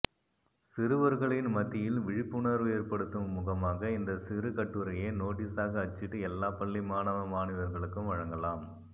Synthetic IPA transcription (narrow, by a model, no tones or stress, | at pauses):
sɪɾɯʋɐɾɣɐɭɪnmɐt̪ːɪjɪlʋɪɻɪpːɯɳɐɾʋɯeːɾpɐɽɯt̪ːɯmːʊɣɐmaːɣɐɪnd̪ɐsɪɾɯkɐʈːɯɾɐjenoːʈːiːsaːɣɐɐt͡ʃːɪʈːɯɛlːaːpɐɭːimaːnɐʋɐmaːnɪʋɐɾɣɐɭɯkːɯmʋɐɻɐŋɡɐlaːm